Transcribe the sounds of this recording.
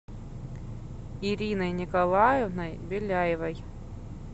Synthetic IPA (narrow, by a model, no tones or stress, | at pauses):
iɾʲinɐjnʲɪkɐlˠajɛvnɐjbʲɪlʲajɪvɐj